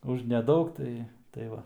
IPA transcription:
ʊʃ nʲɛˈdɐʊk ˈtɐɪ tɐɪ ˈʋɐ

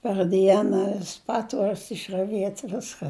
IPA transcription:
pɐr ˈdʲiɛnɐ ʋʲɪs ˈpɑːtʋuɔrʲʊs ɪʃrɐˈʋʲiɛtʲ ˈʋʲɪskɐ

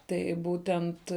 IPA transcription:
ˈtɐɪ ˈbuːtʲɛnt

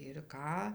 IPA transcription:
ɪr ˈkɑː

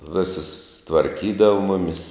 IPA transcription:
ˈʋʲɪsʊs tʋɐrʲˈkʲiːdɐʋɐ ˈmʊmʲɪs

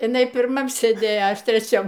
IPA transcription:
ɪˈnɐɪ pʲɪrˈmɐm sʲeːˈdʲeːjoː ɐ ˈɐʃ tʲrʲɛˈt͡ʃʲɛm

